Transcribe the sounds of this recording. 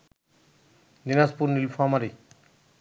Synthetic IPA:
dinaspuɾnilpʰɔmaɾi

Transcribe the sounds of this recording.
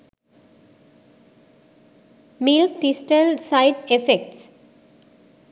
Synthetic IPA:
mɪlkʈisʈəlsaɪʈefek̚ʈs

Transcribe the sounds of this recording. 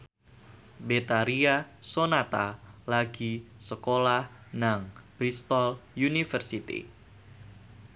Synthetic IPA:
bet̪aɾiasonat̪alaɡisəkolahnaŋbɾist̪ɔljunifərsit̪ḭ

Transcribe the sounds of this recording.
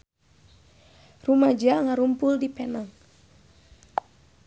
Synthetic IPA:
rumad͡ʒaŋaɾumpʊldipɛnaŋ

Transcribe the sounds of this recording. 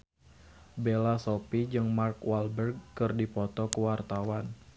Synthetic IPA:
belasopid͡ʒɨŋmarkwalbərɡ̚ːɨrdipɔt̪ɔkəwart̪awan

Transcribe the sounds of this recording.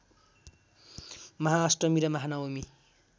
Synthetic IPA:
mʌɦaːsʈʌmiɾʌmaɦanaomi

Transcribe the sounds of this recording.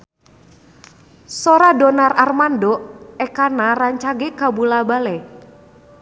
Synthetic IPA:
sɔɾadɔnararmandɔɛkanaraɲt͡ʃaɡekabulabalɛ

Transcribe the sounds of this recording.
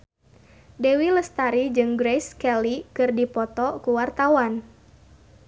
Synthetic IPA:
dewiləst̪aɾid͡ʒɨŋɡɾejskɛlikɨrdipɔt̪ɔkuwart̪awan

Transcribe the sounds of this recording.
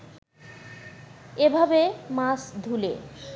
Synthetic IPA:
ebʱabemasd̪ʱule

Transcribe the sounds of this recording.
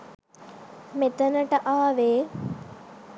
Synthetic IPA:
met̪ənəʈəʔaːʋeː

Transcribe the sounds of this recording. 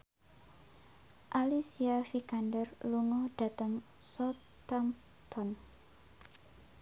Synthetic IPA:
ʔalisiafikandərluŋɔɖ̥a̤t̪əŋsɔ | t̪am | t̪ʰɔn

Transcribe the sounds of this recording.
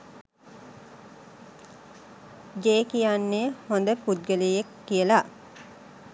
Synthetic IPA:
d͡ʒeːkijanːehond̪əpud̪̚ɡəlijekːijəla

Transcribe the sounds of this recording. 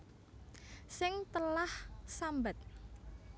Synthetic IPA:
sɪŋt̪əlahsambat̪̚

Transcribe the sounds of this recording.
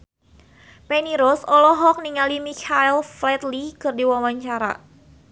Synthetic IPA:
peniɾɔsɔlɔɦɔk̚niŋalimikʰaɛlflɛt̪likərdiwawaɲt͡ʃaɾa̰

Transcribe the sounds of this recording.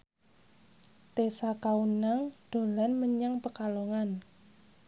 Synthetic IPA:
t̪esakaunaŋd̥o̤lanməɲaŋpəkaloŋan

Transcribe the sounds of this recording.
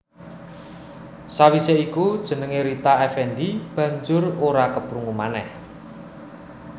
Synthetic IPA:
sawiseikud̥ʒ̥ə̤nəŋeɾit̪aɛfɛnɖib̥ä̤ɲd͡ʒʊroɾakəpɾuŋumanɛ̰h

